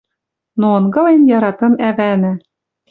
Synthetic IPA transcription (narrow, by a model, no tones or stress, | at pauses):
noɤ̆nɡɤ̆lenjɑɾɑt̪ɤ̆næβænɘ̆